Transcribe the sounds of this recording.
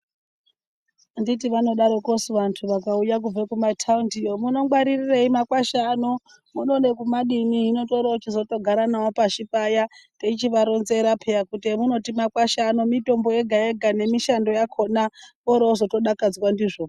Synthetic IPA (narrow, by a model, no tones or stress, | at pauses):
ndit̬iʋano̞ɗaɾo̞kosiʋantʰuʋakaujak̬ub͡vekumatʰaundijomuno̞ɡwaɾirireimakwaʃano | muno̞nekumaɗiniɦino̞to̞ɾaut͡ʃizo̞to̞ɡʱaɾanawopaʃipajateit͡ʃiʋaɾonze̞ɾapʰejakutemuno̞timakwaʃanomito̞mbo̞eɡʱaeɡʱane̞miʃando̞jakʰo̞na | oɾaozo̞to̞ɗakad͡zwandiːʐo